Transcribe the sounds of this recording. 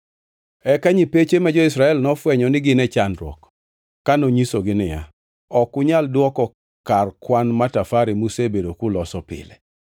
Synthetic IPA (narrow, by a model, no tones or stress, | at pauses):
ɛkaɲipet͡ʃemɛd͡ʒɔɪsɾaɛlnɔfwɛɲɔnɪɡɪnɛt͡ʃanɾwɔ̰k | kːanoɲisoɡɪnɪja̰ | ɔkʊɲaldwɔkɔ | karkwanmatafaɾimusebedokʊlɔsɔpɪ̰lɛ̰